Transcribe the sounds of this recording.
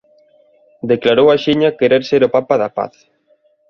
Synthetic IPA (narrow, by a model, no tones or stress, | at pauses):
d̪eklaɾowaʃiɲakeɾeɾseɾʊpapaðapa̰θ